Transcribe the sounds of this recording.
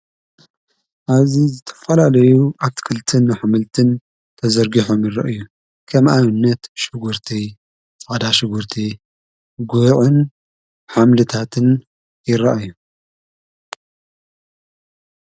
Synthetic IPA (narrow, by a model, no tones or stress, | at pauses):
ʔaβzizɨt̪ʰɐ̥fɐlalɐjuʔaβt̪ʰkʰɨlt̪ʰɨnːɨħamɨlt̪ʰɨn | t̪ʰɐzɐɾɡiħomjɪɾɐ̰ʔju | kʰɐmʔaβɨnːɐt̪ʃɨɡuɾt̪ʰi | t͡sʼad̪aʃɪɡuɾt̪ʰi | ɡuʕɨn | ħamlɨt̪ʰat̪ʰɨn | jɪɾɐʔaju